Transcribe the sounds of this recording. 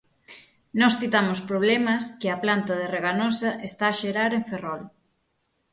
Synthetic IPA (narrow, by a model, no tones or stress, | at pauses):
nɔsθit̪amʊspɾoβ̞lɛmɐskɪɐplant̪ɐðereɣanɔsɐʔest̪aːʃeɾaɾeɱferɔl